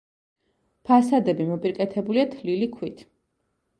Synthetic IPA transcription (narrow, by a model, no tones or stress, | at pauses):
pʰasad̪ɛbimɔpʼiɾkʼɛt̪ʰɛbuliat̪ʰlilikʰwit̪ʰ